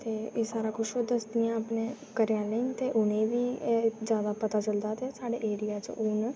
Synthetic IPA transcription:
t̪eːeːsaːɾaːkʰʊʃod̪əsd̪ɪãːapnẽː | kəɾɪjaːleːnt̪eːʔʊnẽːʋiːd͡ʒjaːd̪aːpət̪aːt͡ʃəld̪aːt̪eːsaːɽeːʔeːɾɪjaːt͡ʃʔʊn

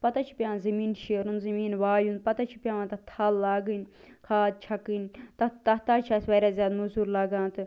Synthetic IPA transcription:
pɐt̪at͡ʃʰi̥pʲjãːnzɐmiːnʃeːɾund̪zɐmiːnʋaːjund̪̚pɐt̪at͡ʃʰi̥pʲjãːʋãnt̪ɐt̪ʰalːaːɡɨnʲ | kʰaːd̪̚t͡ʃʰɐkinʲt̪ɐt̪ɐt̪aːt͡ʃʰaːsʋaːɾʲaːzʲjaːd̪muzuːɾlaːɡãːnt̪ɨ

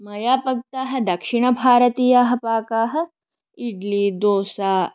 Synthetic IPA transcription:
mɐjaːpɐɡ̚t̪aːɦɐ̆d̪ɐkʃiɳ̃ɐbʱaːɾət̪iːjaɦɐ̆paːkaːɦɐ̆ | iɖlid̪oːsaː

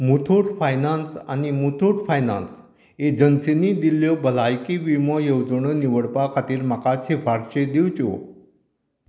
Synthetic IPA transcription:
mut̪ʰoʈfajnãnsa̰nimut̪ʰoʈfajnã̰ns | ed͡ʑənsenid̪iljɔbəlajkiʋimɔjəwd͡zəɳəniʋəɽpakʰat̪iːɾmakat͡sɦefaɾɕed̪iwt͡ɕio̰

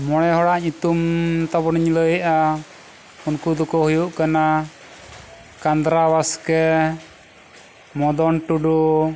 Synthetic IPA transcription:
mɔɽ̃ɛɦɔɽaʔɲut̪umt̪ɔbɔniɲləja | unkud̪ɔkɔhujuʔkana | kand̪ɾawaskɛ | mɔd̪ɔnʈuɖu

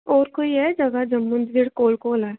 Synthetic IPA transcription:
oːɾkoiɛd͡ʒɐɡad͡ʒɐmːʊnd̪ʋɪɽkoːlkoːlɛː

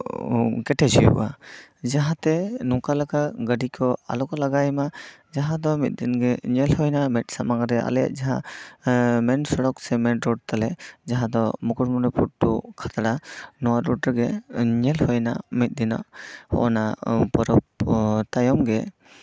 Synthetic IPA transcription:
kɛʈʰɛd͡ʒijṵʔa̰d͡ʒaɦãt̪ɛnɔkalakaɡəɖikʰɔa̰lɔkɔlaɡajmad͡ʒaɦãd̪ɔmit̪̚d̪inɡɛɲɛlhɔjnamɛt̪̚samaŋɾɛʔa̰lɛja̰ʔ̚d͡ʒaɦã | mɛnsɔɽɔksɛmɛnɾɔɖ̚t̪alɛd͡ʒaɦãd̪ɔmɔkuɾmɔnɔpuʈ̚ːukʰat̪aɽanɔwaɾɔʈɡɛɲɛlhɔjna̰mit̪̚d̪ina̰ʔhɔ̰ʔnapɔɾɔp̚t̪ajɔmɡɛ

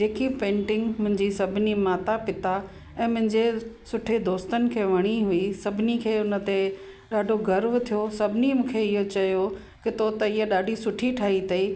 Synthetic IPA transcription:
d͡ʑeːkipẽːɳʈɪ̃ŋɡmʊ̃ɦɪ̃ɲd͡ʑisɐbʱɪnimaːt̪apɪt̪a | ɛ̃ːmʊ̃ɦɪ̃ɲd͡ʑesʊʈʰed̪oːst̪ənɪ̆kʰeːʋɐɽ̃iɦuisɐbʱɪnikʰeːʊnə̆t̪e | ɗaːɖʱoɡɐɾʋt̪ʰijosɐbʱɪnimũːkʰeɪɦot͡ɕɐjo | kɪt̪ot̪ɐɪɦeɗaːɖʱisʊʈʰiʈʰaːɦit̪ɐiː

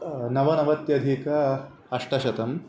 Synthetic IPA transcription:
nɐʋɐnɐʋɐt̪jɐd̪ʱiːkɐ | ɐʂʈɐʃɐt̪ɐm

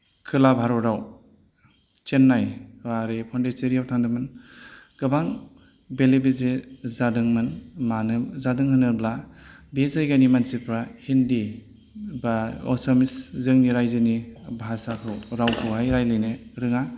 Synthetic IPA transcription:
kʰɯlabʱaɾɔɾaw | t͡ʃenːajwaɾepʰandeseɾijawtʰaŋdɯmɯn | ɡ̥ɯbaŋ | belebezezadɯŋmɯnmanɯzadɯŋhɯnɯɾblabezajɡanimansipɾahindi | baɔsamiszɯŋniɾajzɯnibasakʰɯwɾawkʰɯwajɾajlɯjneɾɯŋa

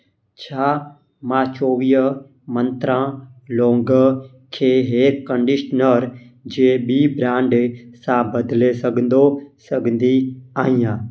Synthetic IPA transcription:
t͡ʃʰaː | mãːt͡ʃoːʋijə | mə̃nt̪ɾãːlõːŋɡə | kʰeːɦeːɾkəɳɖɪʃnəɾ | d͡ʒeɓiːbɾãːɳɖsãːbəd̪lesəɡnd̪osəɡnd̪iaːijãː

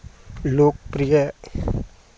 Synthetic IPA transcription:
loːk̚pɾijə

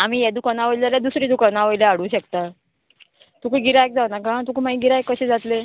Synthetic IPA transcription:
am̤iːjɛd̪ukanaʋəjlaɾjad̪usɾiːd̪ukanaʋojlaaɽ̤uːɕəkt̪a | t̪ukəɡiɾajk̚d͡zawnakãt̪ukumaiɡiɾajkːəɕid͡zat̪le

